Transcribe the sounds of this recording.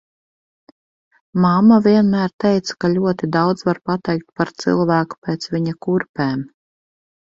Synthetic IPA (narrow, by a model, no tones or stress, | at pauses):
mamːavʲiɛnmæːɾt̪ɛjt̪sḁkaʎʲuɔt̪id̪awd̪zvaɾpat̪ɛjk̚t̪̚paɾt̪sɨ̰lˠvæːku̥pɛːt̪svʲiɲakuɾpʲɛːm